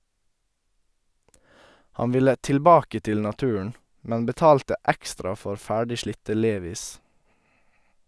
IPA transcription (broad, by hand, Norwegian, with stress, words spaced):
ˈhɑn ˈʋɪlə tɪlˈbɑːkə ˈtɪl nɑˈtʉːəɳ ˈmɛn bəˈtɑːltə ˈɛkstɾɑ ˈfɔɾ ˈfæːɖɪ ˈʃlɪtə ˈleːʋiːs